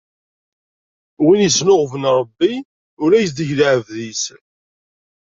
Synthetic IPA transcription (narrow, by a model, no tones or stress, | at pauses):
winəsnoʁvənɾˤəbːi | ʊlæjsd̪əçlaʕəvðisə